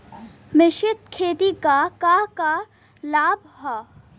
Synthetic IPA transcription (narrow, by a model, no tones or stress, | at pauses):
mɪʃɪt̪̚kʰeːt̪ikakaka | laːbʱ | ɦaː